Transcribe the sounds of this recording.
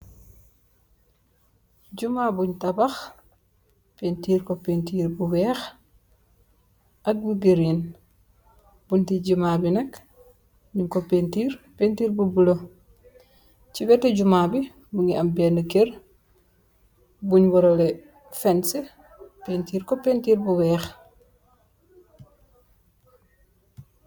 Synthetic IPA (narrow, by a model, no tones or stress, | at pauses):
ɟumabuɲtabax | pentiːɾkopentiːɾbuwɛːx | ʔak̚buɡeɾin | buntiɟimabinɐk | ɲumkopentiːɾpentiːɾbubulo | t͡ʃibɛtɛɟumabi | buŋiʔambɛnukeɾ | buɲwɔɾolɛ | fɛnse | pentiːɾkopentiːɾbuwɛːx